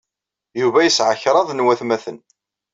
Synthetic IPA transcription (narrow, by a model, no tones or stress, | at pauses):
juvæjəsʕəçɾˤɑðˤnwæθmæθən